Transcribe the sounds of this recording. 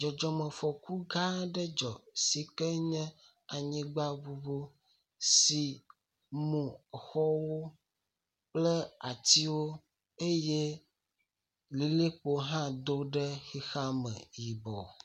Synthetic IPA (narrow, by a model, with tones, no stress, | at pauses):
d͡ʒɔ˨d͡ʒɔ˨mə̃˨fɔ˨ku˦ɡa˦ɖɛ˦d͡ʒɔ˨si˨kɛ˦ɲɛ̃˦ | a˨ɲĩ˦ɡ͡ba˦vu˦bo˦ | si˨ | mũ˨xɔ˦wo˦ | k͡plɛ˦a˨t̪i˦wo˦ | e˦je˦ | li˨le˦k͡po˨ɦã˦d̪o˦ɖɛ˦xi˦xa˦mɛ̰̃˨ji˨bɔ̰˨